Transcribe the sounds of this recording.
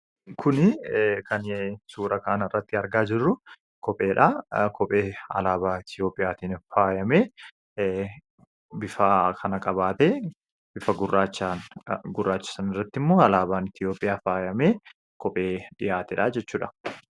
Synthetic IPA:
kʰʊnɪkɐnsuːɾɐkaːnɐrːɐt̪ːɪɐɾɡaːd͡ʒɪrːʊ | kɔpʼe̞ːᶑaːkʰɔpʼeːɐ̰laːbaːɪt̪jo̞ːpʼɪjaːt̪iːnfaːjɐmeː | bɪfɐkʰɐnɐkʼɐbaːt̪eː | b̥ɪfɐɡʊrːaːt͡ʃː | ɡʊrːaːt͡ʃːɪ̥sɐnɪrːɐt̪ːɪmːo̞ːɐlaːbaːnɪt̪ɪjo̞ːpʼːɪjaːfaːjɐmeː | kɔpʼeːᶑɪjaːt̪ɪᶑaːd͡ʒɛt͡ʃːuːᶑɐ

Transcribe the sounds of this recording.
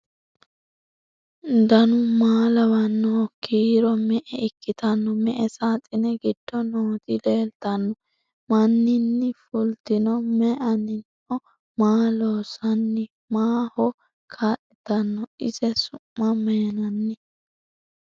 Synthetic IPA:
d̪ɐnʊmaːlɐwɐnːɔkʰiːɾɔmɛʔɛɪkːɪt̪ɐnːɔmɛʔɛsaːt̪ʼːɪnɛɡɪd̪̥ːɔnoːt̪ɪleːlt̪ɐnːɔ | mɐnːɪnːɪfʊlt̪ɪnɔmɛʔɐnɪnʔɔ | maːloːsɐnːɪ | maːhɔ | kʰaːʔɪt̪ɐnːɔɪzɛsʊmːɐmɛnɐnːɪ

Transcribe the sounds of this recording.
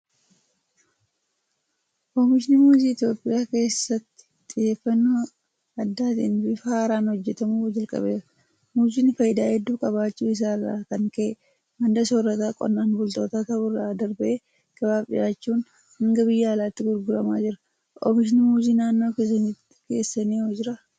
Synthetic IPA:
kɔmɪʃ̬ɪnɪmuːziːt̪jo̞ːpʼɪjaːke̞ːsːɐt̪ːɪ̥t̪ʼɪjeːfːɐnːo | ɐd̪ːaːt̪ɪnbɪfaːɾaːnhɔd͡ʒːɛt̪ɐmuːd͡ʒɐlkʼɐ̰beːɾɐ | muːziːnfɐjɪd̪aːhɛd̪ːuːkʼɐβaːt͡ʃːuːɪs̬aːrːa̰ːkɐŋkɐː | mɐnd̪ɐsoːrːɐt̪aːkʼɔ̰nːaːnbʊlt̪o̞ːt̪aːt̪ɐbʊrːaːd̪ɐɾbɐʔeː | ɡ̥ɐbaːpʼɪ̰jaːt͡ʃːuːn | hɐŋɡɐbɪjːaːlaːt̪ːɪɡʊɾɡʊɾɐma̰ːd͡ʒɪɾɐ̥ | ʔɔ̰mɪʃɪnɪmuːziːnaːnːo̞ːkeːsɐniːt̪ɪ̥ke̞̰ːsːɐniːɔd͡ʒɪɾɐ

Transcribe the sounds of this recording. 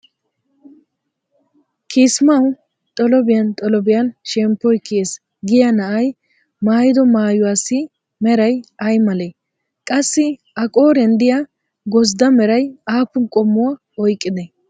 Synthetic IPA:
kʰiːsmɐw | t̪ʼɔlɔbɪjɐnt̪ʼɔlɔbɪjɐnʃɛmpːɔjkːɪjeːs | ɡɪjɐnɐʔɐj | maːjɪd̪ɔmaːjʊwaːsːɪ | mɛɾɐjɐjmɐle | kʼɐsːɪ | ɐkʼo̞ːɾɛnd̪ɪjɐ | ɡɔzd̪ɐmɛɾɐjaːpːʊnkʼɔmːʊwa | ɔjkʼːɪd̪ɛ

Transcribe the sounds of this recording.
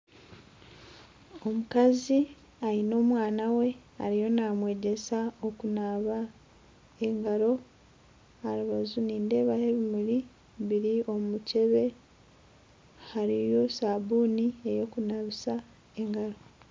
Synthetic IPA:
o̞mukazi | aino̞ːmwaːnawe̞a̰ɾijo̞naːmwe̞ːɟe̞saokunaβa | e̞ŋɡaɾo̞ | aɾiβazuniːnde̞ːβajeβimuɾi | βiɾio̞muce̞βe̞ | haɾijo̞saːβuːnie̞jo̞kunaβisa | e̞ŋɡaɾo̞

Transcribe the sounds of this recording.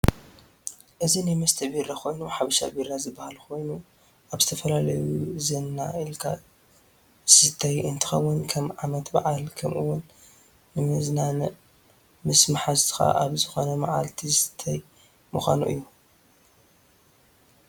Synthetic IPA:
ʔɨzinajmɐst̪ʰɐbiɾakʰo̞jnuħaβɐʃa̰biɾazɨbːahalkʰo̞jnu | ʔaβzɨt̪ʰɐfɐlalɐjuzɐnːaɨlkʰa̰ | sɨt̪ʰːajɨnt̪ʰɨ̥xɐwːʊnkʰɐmʕamɐt̪ba̰ʕalkʰɐmʔṵwʊnː | ɨmɨznanɐ | mɨsmaħazt̪ʰɨ̥xa̰ʔaβzɨxo̞nɐma̰ʕa̰lt̪ʰizsɨ̥t̪ʰːaj | muxʷa̰nṵʔɨ̰jːu

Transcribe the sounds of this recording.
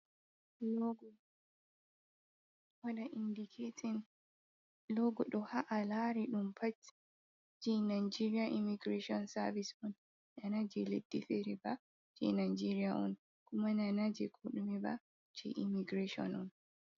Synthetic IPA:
lɔɡɔ | waɗaʔindikʰetʰin | lɔɡɔɗɔhaʔalaɾiɗumpʰatːi̥ | d͡ʒɛnajd͡ʒiɾiaʔimiɡɾeʃiɔnsavisɔn | nanad͡ʒɛledːifeɾiba | d͡ʒɛ̰najd͡ʒiɾiaʔɔ̰n | kumananad͡ʒɛkʰuɗumɛba̰ | t͡ʃɛ̰ʔḭmiɡɾeʃɔ̰nɔn

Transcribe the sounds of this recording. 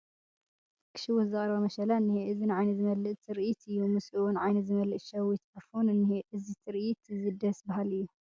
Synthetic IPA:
kʰɨ̥ʃɪwʊzɨχʼɾɐbɐmɐʃɐlanːɨheʔɨzinʕajnɐt̪zɨmɐlːɨʔt̪ʰɨɾʔit̪ɨjːumɨsuunʕajnɐt̪zɨmɐlɨʔʃɐwit̪ʔɐfunɨnːiheʔɨzit̪ʰɨɾʔt̪zɨd̪ɐsbɐhalɨjːu

